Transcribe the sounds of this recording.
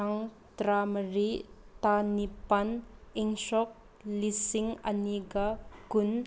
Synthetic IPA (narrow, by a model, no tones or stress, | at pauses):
aŋ | t̪ɾamɾit̪anipɐnʔiŋsɔk̚ | lisiŋɐniɡakʊn